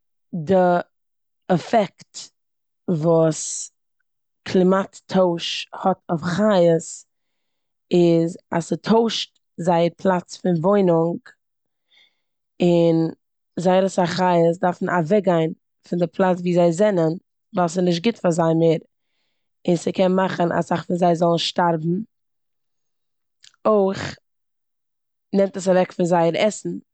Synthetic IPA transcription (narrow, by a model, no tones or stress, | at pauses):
dɪ | ɛfɛkt | vuːs | kʰlˠɪmattʰoʊʃhɔtʊfχajəs | ɪza̰sətʰoʊʃt | zaɪəɾpʰlˠat͡sfɪnvoɪnʊŋɡ | ɪn | zaɪəɾəsaχaɪəs̬daɾfn̩avɛɡaɪn | fɪndɪpʰlˠat͡sviːzaɪzɛnən | valˠsɪnɪʃt̚ɡɪtfaɾzaɪmeːɾ | ɪnsəkʰɛnmaχəna̰saχfɪnzaɪzɔlˠn̩ʃtaɾbm̩ | oɪχ | nɛmtəsavɛkfɪnzaɪəɾɛsn̩